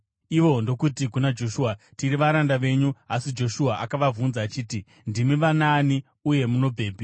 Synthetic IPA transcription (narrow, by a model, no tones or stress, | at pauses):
iʋo̞ndo̞kutik̬unad͡ʒo̞ʃuːa | tiɾiʋaɾandaʋe̞ɲuasid͡ʒo̞ʃuaʔakaʋavunzaːt͡ʃiːti | ndimiʋanaːni | uje̞muno̞b͡vʱe̞ːbʱi